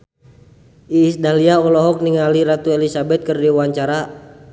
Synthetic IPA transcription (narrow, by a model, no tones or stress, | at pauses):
ʔiːsdaliaɔlɔɦɔk̚niŋaliɾat̪uelisabɛt̪̚kɨrdiwaɲt͡ʃaɾa